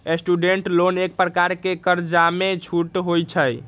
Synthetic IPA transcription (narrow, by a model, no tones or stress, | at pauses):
esʈuɖeɳʈlonek̚pɾəkaɾkekəɾd͡ʒamet͡ʃʰuʈɦojt͡ʃʰəj